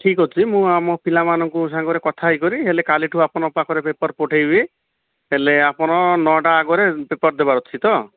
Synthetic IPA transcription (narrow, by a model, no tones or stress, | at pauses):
ʈʰikɦot͡ʃʰimũamɔpʰilamanɔŋkusaŋɡɔɾekɔt̪ʰajkɔɾiɦelekaliʈʰuapɔnɔpakʰɔɾepepɔɾpɔʈʰejbi | ɦeleapɔɽ̃ɔnɔʈaːɡɔɾepepɔɾd̪ebaɾɔt͡ʃʰit̪ɔ